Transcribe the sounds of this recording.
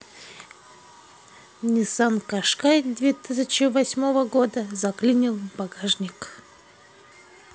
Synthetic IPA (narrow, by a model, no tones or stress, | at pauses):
nʲɪsankɐʂkajd̪vʲet̪ɨsʲət͡ɕɪvɐsʲmo̞vəɡod̪əzɐklʲinʲɪlˠbɐɡaʐnʲɪk